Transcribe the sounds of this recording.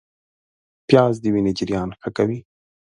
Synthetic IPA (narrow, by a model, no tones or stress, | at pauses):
pjɑzd̪əwined͡ʒɪɾjɑnxakawi